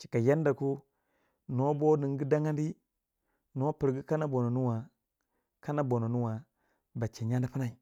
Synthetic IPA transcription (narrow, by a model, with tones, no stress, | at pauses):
t͡ʃi̥˨ka˨ja˦nda˨ku˦ | no˦bo˦ni˨ŋ˦ɡi˦da˦ŋa˦ndi˦ | no˦pi˨ɾɡi˦ka˦na˦bo˨no˨nu˦wa˨ | ka˦na˦bo˨no˨nu˦wa˨ | ba˨t͡ʃe˨ɲa˦di˦pi˦na˨i˨